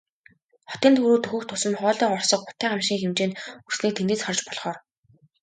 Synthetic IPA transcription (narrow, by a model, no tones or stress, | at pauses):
χɔt̪iːnt̪xuɾuːt̪ʰɵxɵ̆kt̪ʰʊsə̆mχɔːɮiːɔrsɞ̆q̚pʊ̥t̪æːamʃiŋxemt͡ɕeːnur̥sniːk̚t̪ʰend̪ɘ̆t͡sχɔrt͡ɕpɔɮχɔːr